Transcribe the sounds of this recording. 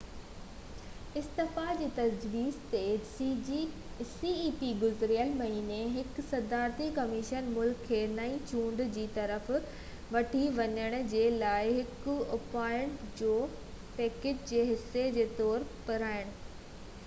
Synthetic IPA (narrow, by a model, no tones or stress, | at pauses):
ɪst̪ɪfad͡ʑiːt̪ɐd͡ʑʋiːzt̪e | siːiːpiɡʊzɾijəlmɐɦiːneɦɪksɐd̪aːɾt̪ikɐmɪʃənmʊlkʰːeːnɐĩt͡ɕũːɳɖd͡ʑiːt̪ɐɾəf | ʋɐʈʰiʋɐɲəɽ̃ʊ̆d͡ʑeːlaːɪɦɪkʊʊpaːɪəɽ̃d͡ʑoː | pɛːkeːd͡ʑd͡ʑeːɦɪsːed͡ʑeːt̪ɔːɾpɐɾaːɪɽ̃ʊ̆